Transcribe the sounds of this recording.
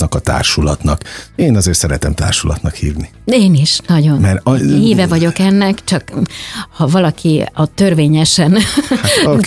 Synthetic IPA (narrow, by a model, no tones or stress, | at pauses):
nɒkɒt̪a̰ːrʃulɒt̪nɒkeːnɒzeːrt̪sɛɾɛt̪ɛmt̪a̰ːrʃulɒ̰t̪nɒkhiːvni | eːniʃnɒɟo̞nmɛɾhiːvɛvɒɟo̞kɛnːɛkt͡ʃɒkhɒvɒlɒkʰiɒt̪ø̞rveːɲɛʃɛn | o